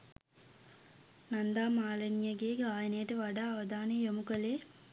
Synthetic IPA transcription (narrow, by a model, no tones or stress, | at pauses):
nɐnd̪aːmaːlɐnijɐɡeːɡaːjɐnɐjɐʈəʋaɖaːʋɐd̪aːnejomukəleː